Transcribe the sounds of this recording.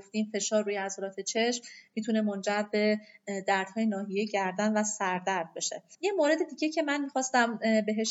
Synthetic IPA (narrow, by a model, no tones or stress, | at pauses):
ft̪iːmfe̞ʃɒːɾːuːjeæzɒɾɒːt̪ʰet͡ʃʰe̞ʃmːit̪ʰune̞mond͡ʒæɾbe̞d̪æɾd̪̥hɒːjenɒːɦijeɟæɾd̪ænvæsæɾd̪æɾd̪̚be̞ʃejemoːɾe̞d̪ed̪iːɟe̞cʰe̞mænmixɒːst̪æmbe̞ɦe̞ʃ